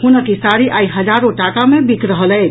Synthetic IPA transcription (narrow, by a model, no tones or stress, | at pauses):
hunəkisaɾiʔaiɦəd͡ʒaɾoʈakamebikɾəɦəlɛɪ